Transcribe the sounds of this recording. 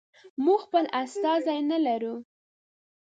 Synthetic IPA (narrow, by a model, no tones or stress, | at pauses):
muɡxpəlʔast̪ɑzajnalaɾu